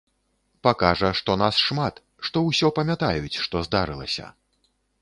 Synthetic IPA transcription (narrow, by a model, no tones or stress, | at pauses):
pakaʐɐʂt̪ɔnasʂmat̪ | ʂt̪ɔwsʲɔpɐmʲjat̪ajut͡sʲʂt̪ɔzd̪aɾɨlˠɐ̰sʲɐ̰